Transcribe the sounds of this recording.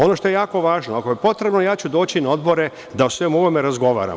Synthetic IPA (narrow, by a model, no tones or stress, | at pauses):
o̞no̞ʃt̪o̞jejaːko̞ʋaːʒnoako̞jepo̞t̪ɾe̞bno̞jaːt͡ɕud̪o̞ːt͡ɕinao̞d̪bo̞ɾe̞ | d̪aosʋe̞muʋome̞ɾazɡo̞ʋa̰ːɾa̰